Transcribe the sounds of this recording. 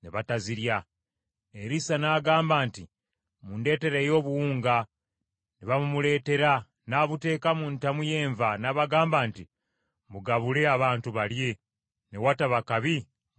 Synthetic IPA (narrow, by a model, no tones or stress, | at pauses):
neβataziɾja | eɾisanaːɡaːmbaːnti | munde̞ːte̞ɾejo̞ːβuwuːŋɡa | neβamumule̞ːte̞ɾa | naːβute̞ːkamuntamuje̞ːɱvanaβaɡaːmbaːnti | muɡaβule̞aβaːntuβalje̞ | newataβakaβi